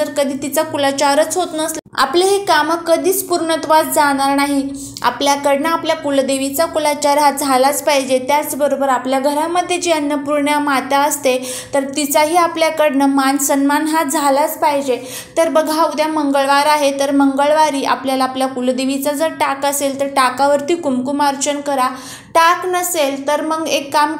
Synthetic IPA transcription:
əɾkəd̪ʱiːt̪it͡sakulat͡ɕaɾət͡sɦot̪nəsa̰pleɦekaməkəd̪ʱiːt͡spuɾɳət̪ʋad͡zd͡zaɽ̃aɾnaɦi | a̰pljakəɽɳəapljakuld̪eʋit͡sakulat͡ɕaɾɦad͡zʱalat͡spajd͡ʑet̪jat͡sbəɾobəɾapljaɡʱəɾamːəd̪ʱːjed͡ʑiənːəpuɾɳjamat̪aəst̪e | t̪əɾt̪it͡saɦiːapljakəɽɳəmansənmanɦad͡zʱalat͡spajd͡ʑe | t̪əɾbəɡʱaud̪jaməŋɡəɭʋaɾaɦet̪əɾməŋɡəɭʋaɾiːʔa̰pljalaːpljakuld̪eʋit͡sad͡zəɾʈakəselt̪əɾʈakaʋəɾt̪iːkumkumaɾt͡ɕənkəɾa | ʈaknəselt̪əɾməɡekːam

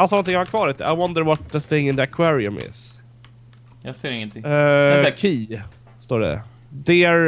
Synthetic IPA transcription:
asɑːnɔnt̪ʰɪ̃ŋhaakʰvɑːɾɪt̪ɪʔa̰ɪwʌnd̪əɾwɔt̪̚ðəθɪ̃ŋːɪ̃nðəɛkʰwaːɾɪʊ̰mɪ̰s | jɑseːɾɪŋːənt̪ʰɪ | kʰiː | st̪oːɖɛ̰ | d̪ɛæɾ

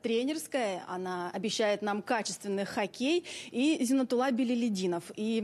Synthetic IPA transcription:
t̪ɾʲenʲɪrskəjəɐ̰naɐbʲɪɕːæjɪt̪namkat͡ɕɪst̪vʲɪnːɨxxɐkʲejizʲɪnət̪ʊlˠabʲɪlʲɪlʲɪdʲinəfi

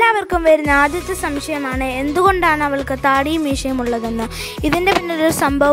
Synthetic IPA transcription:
aːɐʋɐrkumʋeɾunːɐaːd̪ʱjɐt̪ːɐsɐmʂɐjɐmaːɳɨe̞nd̪uɣo̞ɳɖaːɳɨɐʋɐɭkɨt̪aːɽijmiʂɐjɐmuɭːɐðenːɨ | iðinde̞pinːoɾuɾsɐmbʱɐʋ

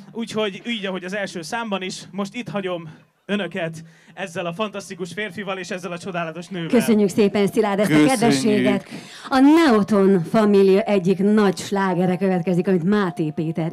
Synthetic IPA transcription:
uːcho̞ɟyːɟɒɦo̞ɟɒzɛlʃøːsaːmbɒniʃmo̞ʃt̪it̪hɒɟo̞m | ønøkɛt̪ | ɛzːɛlɒfɒnt̪ɒst̪ikuʃfeːrfivɒleːʃɛzːɛlɒt͡ʃo̞d̪aːlɒt̪o̞ʃnøːkøsø̞ɲːykseːpɛnsilaːd̪ɛsɒkɛd̪vɛʃːeːɡɛt̪ | ɒnɛot̪o̞nfɒmilijɒʔɛɟːiknɒcʃlaːɡɛɾɛkø̞vɛt̪kɛzikɒmit̪maːt̪eːpeːt̪ɛɾ

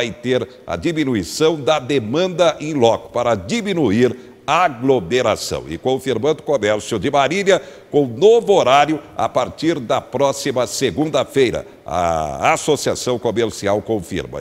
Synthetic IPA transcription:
ajt̪eɾ | ɐ̰d͡ʒiminuisɐ̃w̃d̪ɐd̪emɐ̃nd̪ɐʔẽj̃lɔkʊ̥paɾɐd͡ʒiminuiɾ | aɡlomeɾa̰sɐ̰̃w̃ɪ̰kõfiɾmɐ̃nd̪ʊkomɛɾsjʊd͡ʒɪmaɾiʎɐkõnovʊoɾaɾjʊa̰paɾt͡ʃiɾd̪ɐpɾɔsimɐseɡũnd̪ɐfejɾɐ̰ | ɐ̰asosiasɐ̃w̃komeɾsiawkõfḭɾmɐ̰

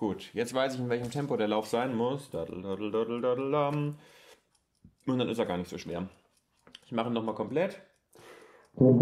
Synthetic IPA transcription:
ɡ̥uːtjɛt͡stv̥aɪsɪçɪnvɛlçəmtʰɛmpodeːɐlaʊfz̥aɪnmʊsd̥a̰d̩dadl̩dadl̩dadl̩am | ʊnd̥anʔɪstaːɡaːɐnɪçtz̥oːʃv̥eːɐ | ɪçmaχəinɔχmaːlkʰɔmplɛt

